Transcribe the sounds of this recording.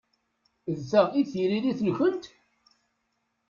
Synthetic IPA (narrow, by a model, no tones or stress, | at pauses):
ðθæʁiθiɾiliθəlçənt̪